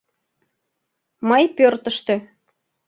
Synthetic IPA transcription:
mɤjpørt̪əʃt̪ø̆

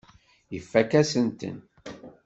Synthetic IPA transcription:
jəfːækæsənt̪ə̰n

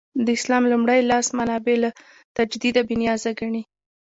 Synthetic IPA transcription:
d̪əɪslɑmlumɽajlɑsmanɑbela | t̪ad͡ʒd̪id̪abɪnjɑzaɡaɳi

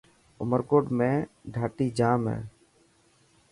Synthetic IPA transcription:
ʊməɾkoːɖmẽːɖʱaːʈiːd͡ʒaːmɦḛː

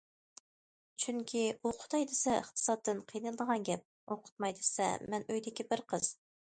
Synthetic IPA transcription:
t͡ʃʰyŋkʲʰiuqʰʊ̥t̪ɑjd̪ɪsɛəχt̪ʰɨ̥sɑt̪ːɨnqʰijnɨlˠɨd̪əʁɑnɡʲɛp̚ | oqʰʊ̥t̪mɑjd̪esɛ̰mɛnøjd̪ɪkʲibɪɾqʰəz̥

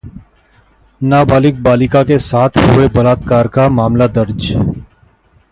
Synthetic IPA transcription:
naːbaːlɪk̚baːlɪkakesaːt̪ʰɦʊebəlaːt̪kaːɾkamaːmlad̪əɾd͡ʒ

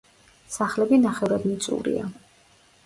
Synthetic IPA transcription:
saχlɛbinaχɛvɾad̪nit̪sʼṵɾḭa̰

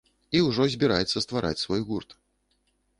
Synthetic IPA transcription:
iwʐɔzʲbʲiɾajɛt̪sːɐst̪vaɾʔa̰t͡sʲsvɔjɣurt̪

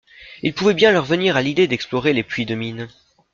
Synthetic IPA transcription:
ilpuvɛbjɛ̃lœʁvəniʁalid̪ed̪ɛksplɔʁeleplɥid̪əmin

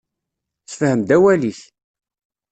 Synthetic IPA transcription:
θfhəmd̪æwæliθ

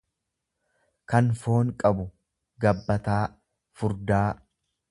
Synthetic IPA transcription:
kɐnfo̞ːŋkʼɐbʊ | ɡɐbːɐt̪aː | fʊɾd̪aː

